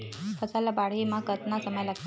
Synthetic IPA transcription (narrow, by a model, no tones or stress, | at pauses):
fʰət͡salabaɽ̤imakət̪nasəməjlaɡt̪